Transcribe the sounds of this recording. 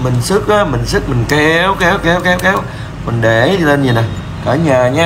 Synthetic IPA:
mï˨˩ŋ̟sɨ˦˥k̚ʔaː˨˦mï˨˩ŋ̟sɨ˦˥k̚mï˨˩ŋ̟kɛ˧˦wkɛ˨˦wkɛ˨˦˥wkɛ˨˦wkɛ˨˦w | mi˨˩ŋ̟ɗe˨˧˩i˧le˧nɲi˨˩na˨˩j | kaː˧˩ɲaː˨˩ɲaː˧

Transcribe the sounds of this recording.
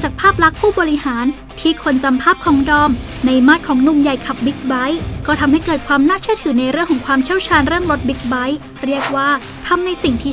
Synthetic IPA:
t͡ɕaː˨˩k̚pʰaː˥˩p̚ɾa˦˥k̚pʰuː˥˩bɔː˧ɾi˦˥haː˩˦n | t̪ʰiː˥˩kʰo˧nt͡ɕa˧mpʰaː˥˩p̚kʰɔː˩˦ŋdɔː˧m | na˧jmaː˥˩t̪̚kʰɔː˩˦ŋnu˨˩mja˨˩jkʰa˨˩p̚bi˦˥t̪̚ba˦˥jkɔː˥˩t̪ʰa˧mha˥˩jkɤː˨˩t̪̚kʰwaː˧mnaː˥˩t͡ɕʰɯ˥˩t̪ʰɯː˩˦na˧jɾɯ˥˩əŋkʰɔː˩˦kwaː˧mt͡ɕʰi˥˩wt͡ɕʰaː˧nɾɯ˥˩əŋɾo˦˥t̪̚bi˦˥t̪̚ba˦˥j | ɾi˥˩ək̚waː˥˩ | t̪ʰa˧mna˧jsi˨˩ŋt̪ʰiː˥˩

